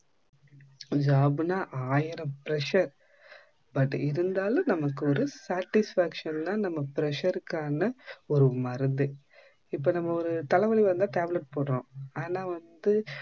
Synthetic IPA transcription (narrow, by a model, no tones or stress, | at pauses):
d͡ʒaːbɯnaːʔaːjɪɾɐ̃mpɪɾɛʂɐɾ | bɐʈːɪɾɯnd̪aːlɯ̃nɐmɐkːɯɔɾɯsaːʈːɪsfaːkʂɐnt̪ãːnɐmːɐpɪɾɛʂɐɾɯkːaːnɐɔɾɯmɐɾɯnd̪ɯ | ɪpːoːnɐmːɐɔɾɯt̪ɐlɐʋɐɭiʋɐɾɯnd̪ãːʈaːblɛʈ̚poːɽɾõːaːnaːʋɐnd̪ɯ